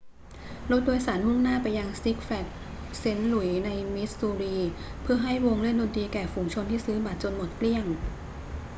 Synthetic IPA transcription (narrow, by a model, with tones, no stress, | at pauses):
lo˦˥t̪̚doː˧jsaː˩˦nmu˥˩ŋnaː˥˩pa˧jːa˧ŋsi˦˥k̚fɛ˨˩k̚se˨˥nlu˨˩˦jna˧jmi˦˥t̪̚suː˧ɾiː˧pʰɯ˥˩ɐɦa˥˩jwo˧ŋlɯ˥˩ndoː˧nt̪iː˧kɛː˨˩fuː˩˧ŋt͡ɕʰo˧nt̪ʰiː˥˩sɯː˦˥ba˨˩t̪̚t͡ɕo˧nmo˨˩t̪̚kli˥˩əŋ